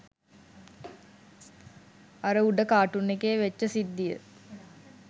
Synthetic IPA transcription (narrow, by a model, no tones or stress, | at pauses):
aɾəuɖəkaːʈunːekeːʋet͡ʃːəsid̪ːijə̰